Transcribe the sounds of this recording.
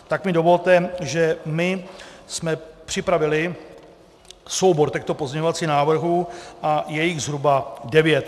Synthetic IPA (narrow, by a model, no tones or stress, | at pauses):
t̪akmɪdo̞vo̞lt̪ɛʒɛmɪsmɛpr̥ɪpɾavɪlɪ | so̞wboɾt̪ɛxt̪opozɲɛɲo̞vat͡siːɣnaːvr̩ɦuːʔajɛjɪɣzɦɾubadɛvjɛt̪